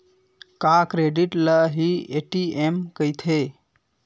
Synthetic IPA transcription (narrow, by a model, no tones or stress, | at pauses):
kakɾeɖiʈləɦieʈiemkəjt̪ʰe